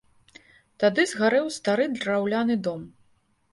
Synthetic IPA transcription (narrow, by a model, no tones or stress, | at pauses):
t̪ad̪ɨzɣaɾɛwst̪aɾɨd̪rawlʲanɨd̪ɔm